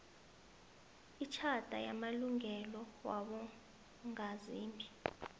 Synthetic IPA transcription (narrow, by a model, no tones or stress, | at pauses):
it͡ʃʰad̥ʱa̰jamaluŋɛlɔwaɓɔ | ŋaziːmbʱi